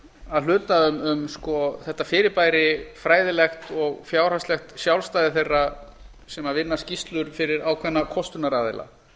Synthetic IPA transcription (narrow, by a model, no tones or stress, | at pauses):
aðl̥ʏːt̪aʏmʏmskɔθɛht̪ːafɪːɾɪpaːjɾɪfɾaːjðɪlɛxt̪ɔɣfjaːwɾ̥ast̪lɛxt̪sjawlst̪aːjðɪθejrːa | sɛmavɪnːascist̪lʏɾfɪɾɪɾaːwkʰvɛnːakʰɔst̪ʏnaɾaːðɪ̰la̰